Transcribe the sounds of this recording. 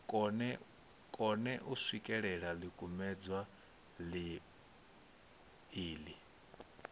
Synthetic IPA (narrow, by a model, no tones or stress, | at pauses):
kʼnɛ | kʼɔnɛʔuswikʼɛɺɛɺalikʼumɛd͡zwa | li | iːli